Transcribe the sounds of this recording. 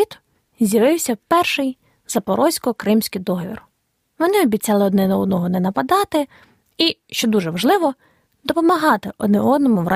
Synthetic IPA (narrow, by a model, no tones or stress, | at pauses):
it̪ | zʲjɐʋɪwsʲɐpɛrʃɪj | zɐpɔɾɔsʲkɔkɾɪmsʲkɪjd̪ɔɦɔʋʲḭr | ʋɔnɪɔbʲit͡sʲɑlˠɪɔd̪nɛnɔwd̪nɔɦɔnɛnɐpɐd̪ɑt̪ɪ | iʃt͡ʃɔd̪uʒɛʋɐʒlˠɪʋɔ | d̪ɔpɔmɐɦɑt̪ɪʔɔd̪nɛɔd̪nɔmʊʋɾʔɑ